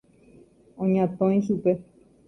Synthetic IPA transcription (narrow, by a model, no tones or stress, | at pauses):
õɲãt̪õj̃ʃupe̞